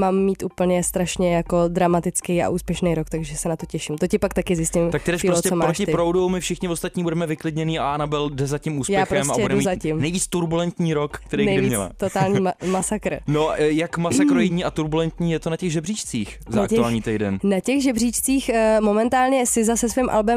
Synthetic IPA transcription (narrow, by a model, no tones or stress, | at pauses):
maːmːiːt̪ʔupl̩ɲɛst̪ɾaʃɲɛjako̞d̪ɾamat̪ɪt͡skɛja̰ʔuːspjɛʃnɛjɾokt̪aɡʒɛsɛnat̪ocɛʃimt̪ocɪpakt̪akɪzɪscɪmt̪ak̚t̪ɪdɛʃiɾosocɛsomaɾːoʃɪt̪ɪpɾowdowmɪfʃɪxɲɪvost̪at̪ɲiːbudɛmɛvɪklɪdɲɛniːa̰ʔanabɪldɛzacimuːsjpajɛːxɾoɛsmabɛjɛudɛuizacɪmnɛjviːt͡st̪uɾbulɛnt̪ɲiːɾokːt̪ɛɾejnɛjdɪviːɲɛt͡sl̰t̪ot̪aːlɲiːmasakɾ̩nojakmasakɾojɪɲiːat̪uɾbulɛnt̪ɲiːjɛt̪onacɛɣʒɛbrit͡ʃt͡sḭːx | zaakuaːlɲiːt̪ɛjdɛ̰nnacɛɣʒɛbrit͡ʃt͡siːxmomɛnt̪aːlɲɛsɪzasɛsvimʔa̰lbɛm